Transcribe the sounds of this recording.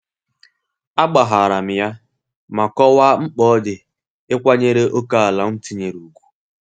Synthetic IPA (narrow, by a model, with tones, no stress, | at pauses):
a˦ɡ͡ba˨ɦa˨a˨ɾa˨m̩˨ja˦ | ma˨kɔ˦wa˦ŋ͡m̩˦k͡pɔ˦dɪ˨ | ɪ˦kʷa˦ɲe˦ɾe˦ʔo˦ka˦a˨la˨˦n̩˦ti˦ɲe˨ɾu˨ɡʷu̥˦